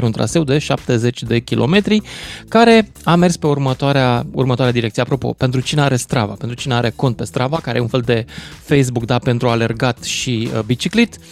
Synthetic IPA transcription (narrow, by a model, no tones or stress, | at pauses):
ɾeunt̪ɾa̰se̞wd̪e̞ʃap̚t̪e̞ze̞t͡ʃʲd̪e̞kʲilʔo̞̰me̞t̪ɾikaɾe̞ | ame̞rspe̞urmət̪oaɾeaṵrmət̪oaɾead̪iɾekt̪sieapɾo̞po̞̰pe̞nt̪ɾut͡ʃineaɾe̞st̪ɾava̰pent̪ɾut͡ʃineaɾe̞ko̞nt̪̚pe̞st̪ɾavakaɾḛjeunfe̞ld̪e̞fejs̬bukd̪ape̞nt̪ɾuale̞rɡat̪ʃibit͡ʃiklit̪